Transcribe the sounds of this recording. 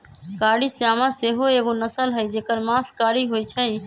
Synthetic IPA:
kaɽiseamãseɦoeɡonəsəlɦəjd͡ʒekəɾmaskaɽiɦojt͡ʃʰəj

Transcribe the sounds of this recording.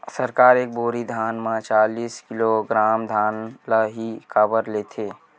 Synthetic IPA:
səɾkaːɾeːk̚boːɾid̪ʱaːnmãt͡ʃaːliːskɪloɡɾaːmd̪ʱaːnləɦikabəɾleːt̪ʰeː

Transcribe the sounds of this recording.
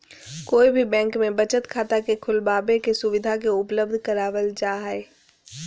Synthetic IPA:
koːibʱibɛ̃ːŋkmẽbɐt͡ʃət̪kʰaːt̪akekʰʊlbaːbekesʊʋɪd̪ʱakeʊpləb̚d̪ʱkəɾaːʋəld͡ʒaːɦɛː

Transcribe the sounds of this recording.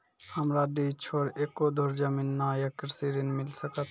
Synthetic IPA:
həmɾaɖit͡ʃʰoɾekod̪ʱoɾd͡ʒəminːajəkɾsiɾinmilsəkət̪ʰ

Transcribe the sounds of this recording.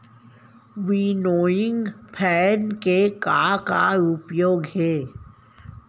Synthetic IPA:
ʋinoːjɪ̃ŋɡpʰɛːnkekakaʊpjoːɡɦɛː

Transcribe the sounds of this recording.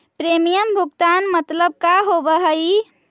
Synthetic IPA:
pɾemijəmbʱuɡt̪anmət̪ləb̚kaɦobəɦəj

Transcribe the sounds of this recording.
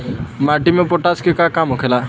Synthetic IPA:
maʈimepɔʈaskekakamokʰela

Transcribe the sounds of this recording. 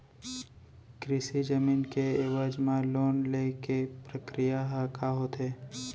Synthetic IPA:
kɾɪsid͡ʒəmiːnkeɪʋəd͡ʒmãloːnlekepɾəkɾijaɦakaɦoːt̪ɦeː

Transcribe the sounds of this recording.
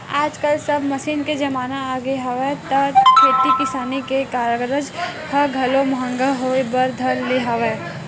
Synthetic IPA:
aːd͡ʒkəlsɐbʱmɐʃiːnked͡ʒɐmaːnaaːɡeɦɐʋet̪ɐt̪kʰeːt̪ikɪsaːnikekaːɾəɡɾəd͡ʒhɐɡʱɐlomɐɦə̃ŋɡaɦoːebəɾd̪ʱɐlːeɦɐʋe

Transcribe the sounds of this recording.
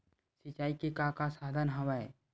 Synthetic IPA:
sɪt͡ʃaːikikakasaːd̪ʱənɦɐʋae

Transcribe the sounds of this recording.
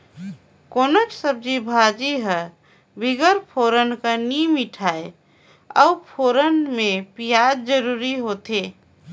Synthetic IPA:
konət͡ʃsəb̚d͡ʒibʱad͡ʒiɦə | biɡəɾpʰoɾənkənimiʈʰae | ə̰upʰoɾənmepijad͡ʒd͡ʒəɾuɾiɦot̪e

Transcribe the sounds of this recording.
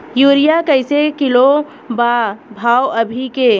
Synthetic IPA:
juːɾijakəɪsekɪlo | babʱaːwəbʱike

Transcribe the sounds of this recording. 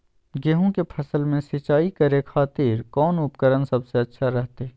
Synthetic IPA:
ɡeːɦõkepʰɐsəlmẽsɪt͡ʃaːikɐɾekʰaːt̪iːɾkɔːnʊpkəɾənsɐbseɐtːʃʰaɾɛɦt̪e

